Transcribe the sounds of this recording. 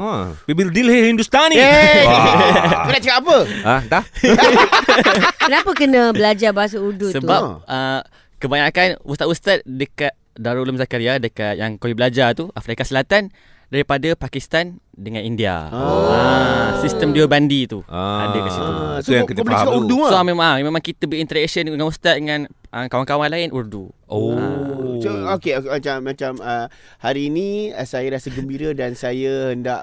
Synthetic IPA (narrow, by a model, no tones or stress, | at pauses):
wiwildilhihindust̪ani | kənat͡ʃəkaapəada | kənapəkənə̃bəlad͡ʒabaɦas̬audusəbap̚ə | kəbaɲakanust̪at̪ʔust̪at̪̚dəkat̪̚daɾoləmsakaɾiadəkaʔ̪jaŋkowibəlad͡ʒat̪uʔafɾikasəlat̪an | daɾipadapakist̪andəŋanindia̰asist̪əmdiobandit̪uaadekasit̪ut̪ujãŋkədəbəlikauɾduamemãemẽmãŋkit̪əbəint̪əɾɛkʃənəəŋãnust̪at̪ʔ̪̚dəŋãnʔəkawaŋkawanlaɪnʔurduoaookemat͡ʃamːat͡ʃamə | haɾiːnĩəsajaɾasəɡəmbiɾədansajahəndaʔ